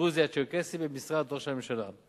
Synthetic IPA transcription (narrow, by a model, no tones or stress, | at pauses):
uzijat͡ʃekɛsibemisʁad̪ʁoʁʃamimʃala